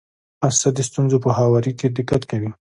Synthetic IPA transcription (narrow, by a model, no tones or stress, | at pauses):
asad̪əst̪unzopəhawɑɾiked̪ɪkːat̪kawi